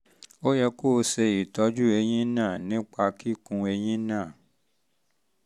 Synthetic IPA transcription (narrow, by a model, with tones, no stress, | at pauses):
o˦jɛ˧koː˦˨˦se˧i˨tɔ˨˦d͡ʒu˦e˧j̃ĩ˦nãː˦˨nĩ˦k͡pa˧ki˦kũ˧e˧j̃ĩ˦nãː˦˨